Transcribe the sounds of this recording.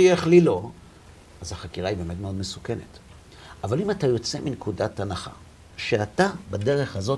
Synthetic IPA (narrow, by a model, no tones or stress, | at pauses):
ieχlilo̞ | ʔazhaχakiʁaibe̞ːme̞tmeo̞dmesu̥ke̞ne̞̰t | ʔavalimatajo̞t͡se̞minkudatanaχa̰ | ʃeatabadeʁe̞χhazo̞